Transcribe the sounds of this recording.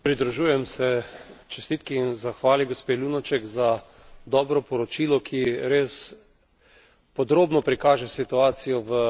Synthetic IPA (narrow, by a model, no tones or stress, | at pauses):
pɾid̪ɾuʒuːjɛmsɛt͡ʃɛ̥st̪iːt̪kiːnzaxʋaːliɡospeːlunɔt͡ʃɛkza | d̪ɔːbɾɔpɔɾɔt͡ʃiːlɔkʰiɾeːs | pɔd̪ɾoːbnɔpɾikaːʒɛsit̪uaːt̪sijɔʋə